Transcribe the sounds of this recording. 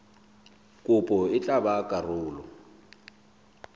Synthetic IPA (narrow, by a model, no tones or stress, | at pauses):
kʼʊpʼɔɪt͡ɬʼabakʼarʊːlɔ